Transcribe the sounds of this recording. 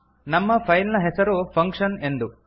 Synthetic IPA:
nɐmːɐpʰɐjlnɐɦɛsɐɾupʰɐŋkʂɐne̞nd̪u

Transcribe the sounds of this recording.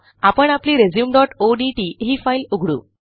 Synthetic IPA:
apəɳapliːɾed͡zjuːmɖɔʈoɖiʈiɦiːfailuɡʱɽṵː

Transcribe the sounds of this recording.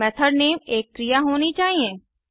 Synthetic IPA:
ɛt̪ʰəɖneːmeːkːɾijaɦoːnit͡ʃaːɦiẽː

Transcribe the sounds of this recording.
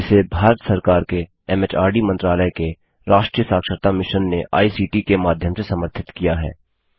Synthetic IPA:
ɪsebʱaːɾət̪sɐɾkaːɾke | ɛmɛt͡ʃaːɾɖimɐ̃nt̪ɾaːləjke | ɾaːʃʈɾijəsaːkʃəɾt̪amɪʃənːeʔa̰ːisiːʈikemaːd̪ʱjəmsesɐməɾt̪ʰɪt̪kijaɦɛ̰ː

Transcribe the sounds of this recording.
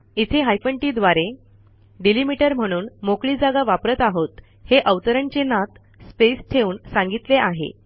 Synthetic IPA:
it̪ʰeɦajfəɳʈiːd̪ʋaɾe | ɖilimiʈəɾm̤əɽ̃uːnmokɭiːd͡zaɡaʋapɾət̪aɦot̪ | heʔəʋt̪əɾəɳt͡ɕenat̪ | spest̪ʰeuːnsãŋɡit̪leʔaɦḛ

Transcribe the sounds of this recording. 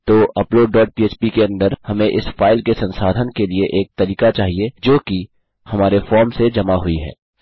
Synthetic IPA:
t̪oːʔɐpɾoːɖːɔːʈ̚pieːt͡ʃpikeɐ̃nd̪əɾhɐmẽʔɪsfaːɪlkesɐ̃nsaːd̪ʱənkelieʔeːk̚t̪ɐɾiːkat͡ʃaːɦied͡ʒoːki | hɐmaːɾefɔːɾmsed͡ʒɐmaɦʊiɦɛ̰ː

